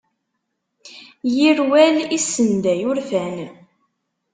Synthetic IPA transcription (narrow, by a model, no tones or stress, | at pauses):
jiɾwælisːənd̪æjʊɾfæn